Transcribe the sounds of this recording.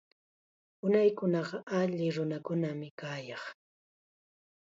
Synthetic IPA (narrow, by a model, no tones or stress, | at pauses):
ʊnajkʊnɑɢɑʔaʎɪɾʊnakʊnamɪkaːjɑχ